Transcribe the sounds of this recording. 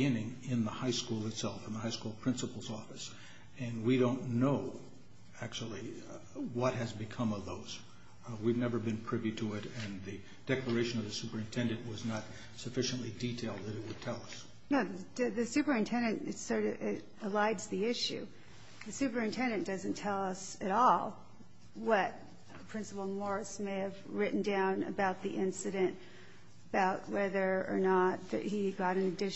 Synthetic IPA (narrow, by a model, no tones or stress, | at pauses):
ɪ̃nɪ̃ŋɪ̃nðəhaɪskulˠətsɛlˠfn̩ðəhaɪskulˠpʰɹ̥ɪ̃nsəpl̩ˠzɔfɨs | ɨ̃nwiɾõʊ̃nːoʊ | æk̚t͡ʃul̩ˠi | wʌt̚ɦɨzbɨkʰʌ̃mʌvðoʊz̥ | wivnɛvə˞bɨ̃npʰɹ̥ɪviɾɨɪɾɨ̃nðɨ | d̥ɛklˠə˞eɪʃɨ̃nʌvðɨsʉpə˞ɨ̃ntʰɛ̃ndɨ̃nʔwʌznət̚ | sɨfɪʃɨ̃nʔliditʰeɪlˠd̪̚ðɨɾɨt̚wəd̚tʰɛlˠʌs | noʊðɨ̥ðɨsʉpə˞ɨ̃ntʰɛ̃ndɨ̃ntɨtsə˞ɾɪɾ | əlaɪdzðiɪʃʉ̰ | ðɨsʉpə˞ɨ̃ntʰɛ̃ndɨ̃nd̥ʌzɨ̃ntʰɛlˠʌsɨɾɔlˠ | wʌt̚ | pʰɹ̥ɪ̃nsəpl̩ˠmɔɹsmeɪɨvɹɪʔn̩dãʊ̃nɨ̰baʊt̪̚ðiʔɪ̃nsɨɾɨ̃nt | əbaʊt̚wɛðə˞ə̰˞nət̪̚ðɨ̰ʔ̚hiɡɑɾɨ̃nɨdɪ